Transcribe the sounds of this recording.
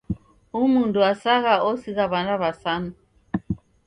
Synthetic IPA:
umunduasaɣaʔɔsiɣaβanaβasanu

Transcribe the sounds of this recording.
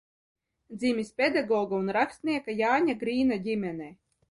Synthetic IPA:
d̪zʲimʲisʲpʲed̪aɡɔːɡaunɾakst̪ʲnʲiɛkajaːɲʲaɡɾiːnadʲimʲɛnɛj

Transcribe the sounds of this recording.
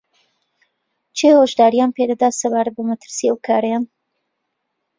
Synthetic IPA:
t͡ʃʰehoːʒd̪aːɾijaːnpʰed̪ɐd̪aːsɐbaːɾɐt̪̚bɐmɐt̪ʰɨ̥ɾsiɐwkʰaːɾɐjaːn

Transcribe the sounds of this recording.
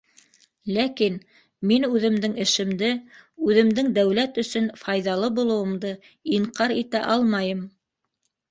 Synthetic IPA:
lækin | minʉðɘ̆md̪ɘŋɘ̆ʃɘ̆md̪ɘʉðɘ̆md̪ɘŋd̪æwlæt̪ɵ̆sɵnfɑjðɑlˠɤbulˠɤ̆wɤ̆md̪ɤ | iɴqɑɾit̪æʔɑlˠmɑjɤm

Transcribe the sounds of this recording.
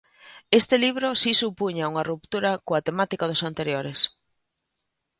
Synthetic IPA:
est̪ɪliβɾosisupuɲauŋɐrup̚t̪uɾɐkoat̪emat̪ikaðʊsant̪eɾjoɾes

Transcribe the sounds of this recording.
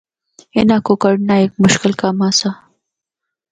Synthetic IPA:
ḛnaːkokɐɽnaek̚mʊʃkɪlkaːmaːsa

